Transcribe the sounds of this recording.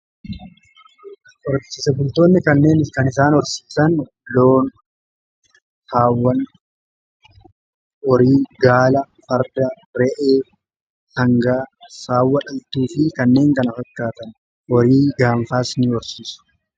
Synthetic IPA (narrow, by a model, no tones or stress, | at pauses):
ʔɔɾt͡ʃɪsɛbʊlt̪o̞ːnːɪkɐnːe̞ːnɪskɐnɪs̬aːnɔɾsi̥ːsɐn | loːn | haːwːɐn | ɔɾiːɡaːlɐ | fɐɾd̪ɐ | ɾɛʔeː | hɐŋɡaːsaːwːɐᶑɐlt̪uːfɪkɐnːe̞ːŋkɐnɐfɐkːaːt̪ɐn | ʔɔɾiːɡaːɱfaːsniɔɾsiːsʊ̥